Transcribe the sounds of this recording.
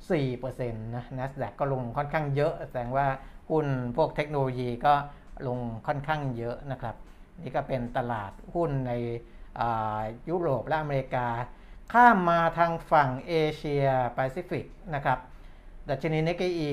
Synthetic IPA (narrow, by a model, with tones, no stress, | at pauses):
siː˨˩pɤː˧se˧nːaː˦˥ɛ˦˥sdɛ˨˩kːɔː˥˩lo˧ŋkʰɔ˥˩nkʰaː˥˩ŋjɤ˦˥ʔsa˧˩dɛː˧ŋwaː˥˩hu˥˩npʰu˥˩ək̚t̪ʰe˦˥k̚no˧loː˧jiː˧kɔː˥˩ | lo˧ŋkʰɔ˥˩nkʰaː˥˩ŋjɤ˦˥ʔna˦˥kʰɾa˦˥p̚ | niː˦˥kɔː˥˩pe˧nt̪a˧la̰ː˨˩t̪̚hu˥˩nːa˧j | ʔaː˨˩juː˦˥ɾoː˨˩p̚lɛ˦˥ʔa˧meː˧ɾi˧˥kaː˧ | kʰaː˥˩mːaː˧t̪ʰaː˧ŋfa˨˩ŋʔeː˧t͡ɕʰi˧ɐpɛː˧siː˦˥fi˨˩k̚na˦˥kʰɾa˦˥p̚ | da˨˩t̪̚t͡ɕʰa˧niː˦˥ne˦˥ke˧˩ʔiː˧